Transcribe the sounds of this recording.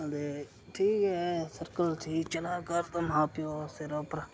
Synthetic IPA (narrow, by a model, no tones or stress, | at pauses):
d̪e | ʈʰiːkɦɛsɐɾkəltʰiːt͡ʃɐlakəɾt̪ɐmɦaːpijoːseɾoːpɾ